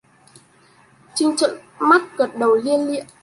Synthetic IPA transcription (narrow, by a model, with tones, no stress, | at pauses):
t͡ɕï˧ŋt͡ɕə̰˧˨n | ma˦˥t̚ɣə˨˩t̚ɗə˨˩wli˧ənlḭ˧˨ə